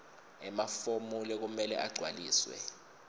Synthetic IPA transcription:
ɛmafomulɛk̬umɛlɛ̰ʔaɡ͡ǀʱwaliːswɛ̰

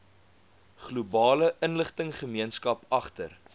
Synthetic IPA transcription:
χlubɑːləʔənləχtəŋχəmiənskɐpɐχtər

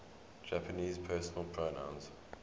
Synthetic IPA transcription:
d͡ʒapʰəniːzpʰɜːˑsənəlˠpʰɹ̥onã̰ʊ̃ns

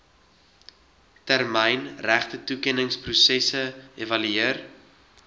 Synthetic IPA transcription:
tærməjnræχtətukɛnəŋsprusɛsəevɐlyiər

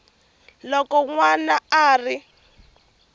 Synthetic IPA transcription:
lɔkɔŋwanaaːri

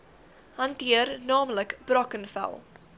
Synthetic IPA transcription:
hɐntiərnɑːmləkb̥rɔkənfɛ̰lˠ

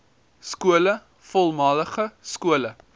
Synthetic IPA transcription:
skuələ | fɔlˠmɑləχəskuələ

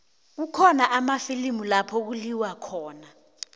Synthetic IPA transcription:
k̬ukʰɔnaʔamafilimulapʰɔk̬uliwakʰɔːna

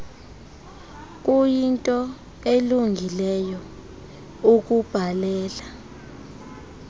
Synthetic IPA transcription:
k̬ʼujintʼɔ | eluŋɡʱilɛjɔ | uk̬ʼub̥ʱalɛːla

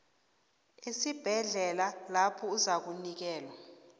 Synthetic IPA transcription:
esib̥ʱɛɮɛlalapʰɔuzak̬unik̬ɛːlwa

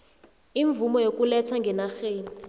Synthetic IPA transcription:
iɱvumɔjok̬ʼulɛt͡sʰwaŋɡʱɛnaxeːni

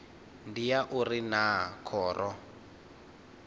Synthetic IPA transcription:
ndijaʔurinakʰɔːrʔɔ

